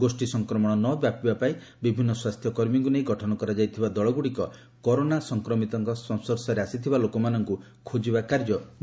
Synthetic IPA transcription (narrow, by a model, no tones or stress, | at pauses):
ɡosʈisɔŋkɾɔmɔɽ̃ɔnɔbjapibapaĩ | bibʱinːɔswast̪ʰjɔkɔɾmiŋkunejɡɔʈʰɔnɔkɔɾad͡ʒajt̪ʰibad̪ɔɭɔɡuɽikɔ | kɔɾonasɔŋkɾɔmit̪ɔŋkɔsɔ̃nsɔɾsɔɾeasit̪ʰibalokɔmanɔŋku | kʰod͡ʒibakaɾd͡ʒɔ